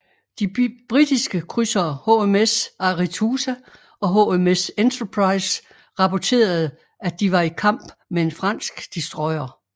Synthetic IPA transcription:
d̥ib̥ʁid̥isɡ̥əkʰʁysɐːho̝emesɑ̈ʁit͡sʰuːsæ | ɒ̽ɦo̝ːemesent͡sʰɐpʰʁɑ̈ɪs | ʁɑ̈pʰɒt͡sʰe̝̰ːɐð̞̩ˠ | æd̥iʋɑ̈ikʰɑ̈m̰b̥mee̝nfʁɑ̈n̰sɡ̥d̥isd̥ʁɒ̽ɪ̰ɐ

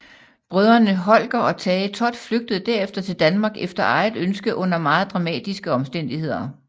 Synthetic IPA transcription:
b̥ʁœð̞ˠɐnəɦɒ̽l̰ɡ̥ɐʔɒ̽t͡sʰɛːɪət͡sʰɒ̽d̥fløɡ̥̚d̥əð̞̩ˠd̥æɐ̰efd̥ɐt͡sʰe̝ld̥ænmɑ̈ɡ̥efd̥ɐʔɑ̈ɪð̩ˠønsɡ̥əʔɔ̽n̰ɐmɑ̈ːð̞̩ˠd̥ʁɑ̈mɛ̰ːd̥isɡ̥əɒ̽msd̥en̰d̥ihe̝ð̰ˠɐ

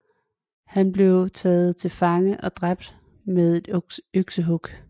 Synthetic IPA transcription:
hænb̥le̝ʊt͡sʰɛːð̞̩ˠt͡sʰe̝lfɑ̈ŋəʔɒ̽d̥ʁab̥̚d̥ | meðˠe̝d̥øɡ̥səɦɔɡ̥

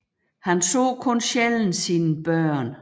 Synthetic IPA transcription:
hænsɔ̰ːkʰɔ̽nɕeln̩sinəb̥ɶɐ̰n

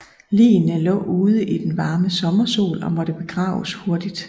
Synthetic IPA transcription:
lḭːnəlɔ̰̽ːuːð̞ˠəʔid̥enʋɑ̈ːməsɒ̽mɐso̝̰ːlɒ̽mɒ̽d̥əb̥e̝ɡ̥ʁɑ̰̈ːʊsho̝ɐd̥id̥

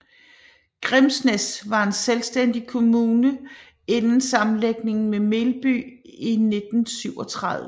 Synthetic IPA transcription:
ɡ̥ʁemsnesʋɑ̈e̝nselsd̥en̰d̥ikʰo̝muːnə | e̝nn̩sɑ̈mn̩leɡ̥ne̝ŋn̩meme̝ːlb̥y̰ine̝d̥n̩syʊ̰ɒ̽t͡sʰʁɑðˠə

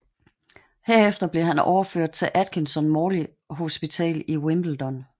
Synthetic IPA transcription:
heɐ̰efd̥ɐb̥le̝ɦænɒ̰ʊɐføɐ̰d̥̚t͡sʰe̝ʔæd̥̚kʰensɒnmɒːli | ɦo̝sb̥it͡sʰɛ̰ːliwemb̥l̩d̥ɒn

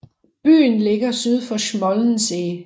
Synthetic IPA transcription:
b̥y̰ːnle̝ɡ̥ɐsyð̞ˠfɒ̽ɕmɒ̽ln̩seː

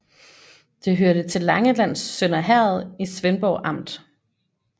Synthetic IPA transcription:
d̥e̝ɦøɐɾ̥ət͡sʰe̝lːɑ̈ŋəlæn̰sːønɐɦæɐð̞̩ˠisʋenb̥ɒʊʔɑ̈m̰d̥

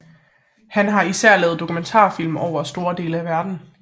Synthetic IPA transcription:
hænɦɑ̈isæɐ̰lɛ̰ːð̩ˠd̥o̝kʰument͡sʰɑ̰̈ːfil̰mɒʊ̰ɐsd̥o̝ːɐd̥e̝ːləæʋæɐd̥n̩

